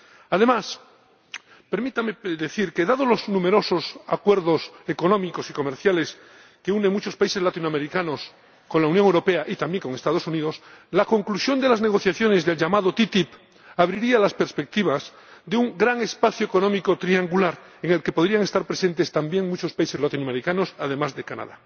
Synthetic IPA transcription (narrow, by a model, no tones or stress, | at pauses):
aðe̞mas | pe̞ɾmit̪ameðe̞θiɾke̞ðaðolo̞znũme̞ɾo̞so̞sakwe̞ɾðoseko̞nõ̞miko̞siko̞meɾθjale̞s | ke̞uneŋmut͡ʃo̞spaiselat̪inoameɾikano̞s | ko̞nlaunjoŋewɾo̞pe̞aʔit̪ambje̞ŋko̞ŋe̞st̪að̞o̞suniðo̞slako̞ŋklusjo̞nd̪e̞lazne̞ɣ̞o̞θjaθjo̞nezðe̞lʎamaðo̞t̪it̪ip | aβɾiɾialaspeɾspe̞k̚t̪iβ̞az | ðeuŋɡɾaŋe̞spaθjoeko̞nõmiko̞t̪ɾiaŋɡulaɾ | e̞ŋe̞lke̞poðɾiaŋe̞st̪aɾpɾe̞sẽ̞nt̪est̪ambje̞ŋmut͡ʃo̞spaisezlat̪inoameɾikano̞saðe̞mazðe̞kana̰ða̰